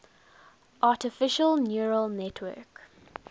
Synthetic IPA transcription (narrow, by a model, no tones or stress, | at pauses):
ʔɑːˑtɪfɪʃəlˠnjuːɹəlˠnɛtʰwɜ̰ːk